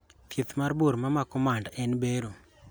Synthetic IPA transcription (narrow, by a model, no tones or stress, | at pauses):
t̪jet̪marboɾmamakɔmandɛnbeɾo